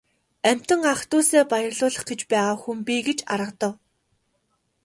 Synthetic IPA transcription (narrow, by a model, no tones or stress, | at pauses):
æm̥ʲt̪ə̆ŋaχt̪ʊːseːpajə̆rɮʊːɮə̆χɡĕt͡ɕpæːʁaːxumpiːɡet͡ɕaɾə̆qt̪ə̆w